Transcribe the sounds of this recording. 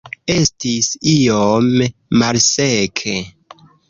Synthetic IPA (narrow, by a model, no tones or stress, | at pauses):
e̞stisiomːalsekʰe